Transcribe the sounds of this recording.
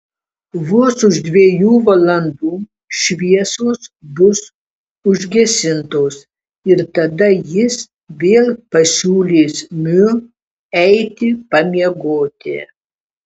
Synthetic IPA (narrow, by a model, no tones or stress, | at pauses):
ʋʊsʊʒd̪ʲʋʲiːjuːʋɐlˠɐnd̪uː | ʃʲʋʲiɛsoːsbʊs | ʊʒʲɡʲɛsʲɪnt̪oːs | ɪɾt̪ɐd̪ɐjɪs | ʋʲeːlˠpɐsʲuːlʲeːsmʲʊ | ɛɪt̪ʲɪpɐmʲiɛɡoːt̪ʲɪ̰